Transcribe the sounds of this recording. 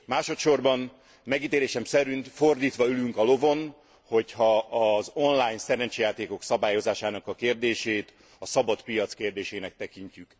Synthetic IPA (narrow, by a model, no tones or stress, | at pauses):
maːʃo̞t̪ʃo̞rbɒn | mɛɡiːt̪eːɾeːʃɛmsɛɾynfo̞rd̪iːt̪ʋɒylyŋkɒlo̞vo̞n | ho̞chɒːzo̞nlaːjnsɛɾɛnt͡ʃejaːt̪eːko̞ksɒbaːjo̞zaːʃaːnɒkɒkeːrd̪eːʃeːt̪ | ɒsɒbɒt̪pijɒt̪skeːrd̪eːʃeːnɛk̚t̪ɛkiɲcyk